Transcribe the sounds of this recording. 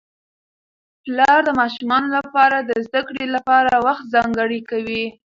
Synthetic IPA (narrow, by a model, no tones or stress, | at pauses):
plɑɾd̪əmɑʃumɑnolapɑɾad̪əzd̪akɽelapɑɾawaxt̪̚zɑŋɡəɽikawi